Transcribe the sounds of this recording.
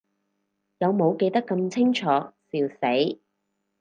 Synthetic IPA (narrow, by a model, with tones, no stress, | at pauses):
jɐ˨˧wmo˨˧wke˧jt̪ɐ˥kːɐ˧mt͡sʰɪ˥ŋt͡ʃʰɔː˨˥siː˧wse˨˥j